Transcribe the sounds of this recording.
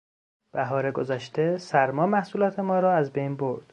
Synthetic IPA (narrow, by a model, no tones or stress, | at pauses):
b̥æɦɒːɾeɡozæʃt̪ʰe̞sæɾmɒːmæhsuːlɒːt̪ʰemɒːɾɒːæzbejnboɾd̪̥